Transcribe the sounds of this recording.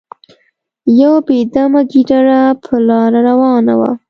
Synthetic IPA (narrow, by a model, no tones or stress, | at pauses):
jawbed̪amaɡiɖaɾapʰəlɑɾaɾawɑna̰wa̰